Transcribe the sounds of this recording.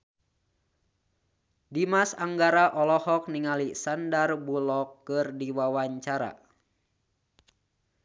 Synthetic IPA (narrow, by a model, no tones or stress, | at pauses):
dimasaŋɡaɾaʔɔlɔhɔk̚niŋalisandarbulɔkːɨrdiwawaɲt͡ʃaɾa̰